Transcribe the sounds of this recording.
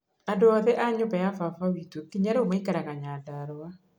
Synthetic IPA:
andoɔðɛʔaɲobajafafawitokiɲaɾeomaikaɾaɣaɲaːdaɾɔa

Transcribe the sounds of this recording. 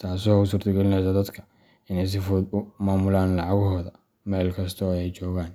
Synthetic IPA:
t̪ʰaːsɔʊsuːrt̪ʰɐɡɛlɪnɛsɐd̪ɐd̪kʰɐ̥ | ɪnɛjs̬ɪfɔːd̪ʊmaːmʊlaːnlɑʕɑɣɔɦɔːðɐ | mɛːlkʰɐst̪ʰɔɛjt͡ʃɔːɣaːn

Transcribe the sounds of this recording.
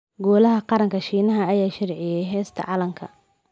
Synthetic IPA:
ɡɔːlɐɦɐqɑɾɐŋkʰɐʃiːnɐɦɐːjaːʃɐrʕɪjɛjɦɛːst̪ʰɐ̰ʕɑlɐŋkʰɐ̰

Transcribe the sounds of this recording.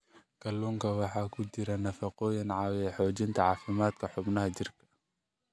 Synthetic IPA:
kʰɐluːŋkʰɐwɑħɑːkʰʊt͡ʃɪɾɐnɐfɑqɔːjɪnʕɑːwɛħɔːt͡ʃɪnt̪ʰɐʕɑːfɪmaːd̪kʰɐħʊbnɐɦɐt͡ʃɪrkʰɐ̥

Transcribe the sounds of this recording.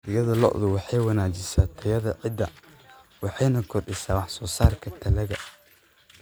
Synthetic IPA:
ɪjɐðɐlɔ̰ʔðʊwɑħɑjwɑnaːt͡ʃɪsaːt̪ʰɐjɐðɐʕɪd̪ɐ | wɑħɑjnɐkʰɔrɖɪsaːwɑħsɔːsaːrkʰɐt̪ʰɐlɐɣɐ

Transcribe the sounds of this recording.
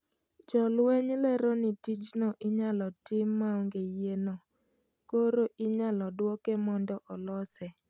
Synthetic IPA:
d͡ʒɔlweɲlɛɾɔnitid͡ʒnɔʔɪɲalɔtɪmːaoŋɡejeno | koɾoʔɪɲalɔdwɔkemɔndɔʔɔlɔsɛ

